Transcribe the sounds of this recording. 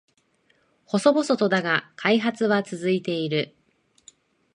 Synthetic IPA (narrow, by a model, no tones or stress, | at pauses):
ho̞so̞bo̞so̞t̪o̞d̪aɡakʰaiɦat͡sɨβat͡sɨzɨit̪e̞iɾɯ̟